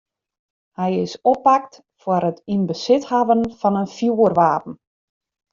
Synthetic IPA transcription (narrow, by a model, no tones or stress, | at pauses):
hɛjɪsɔpak̚t | fwaɾətinbəsɪthaʋənfɔnənfjuərʋaːpn̩